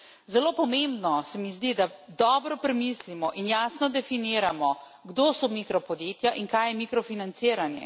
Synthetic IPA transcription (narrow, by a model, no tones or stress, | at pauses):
zɛloːpɔmẽmbnɔsɛmizd̪id̪ad̪ɔːbɾɔpɾɛmislimɔʔinjaːsnɔd̪ɛfiniːɾamɔ | ɡd̪oːsɔmikɾɔpɔd̪jeːt̪jaʔiŋkaːjɛmikɾɔfinansiːɾanjɛ̰